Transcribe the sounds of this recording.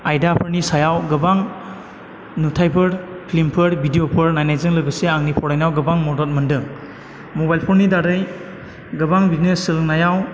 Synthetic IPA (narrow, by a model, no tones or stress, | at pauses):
ajdapʰɯɾnisajawɡɯbaŋ | nutʰajpʰɯɾpʰlimpʰɯɾbʱidijopʰɯɾnajnajzɯŋlɯjbɯseaŋnipʰɔɾajnawɡɯbaŋmɔdɔt̚mɯndɯŋ | mɔbajlpʰɔɾnidaɾɯj | ɡɯbaŋbiznesːɯlɯŋnajaw